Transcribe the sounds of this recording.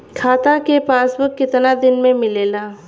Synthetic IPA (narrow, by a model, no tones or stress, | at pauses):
kʰaːt̪ãkepaːsbʊkːɪt̪nad̪ɪnmẽmɪleːlaː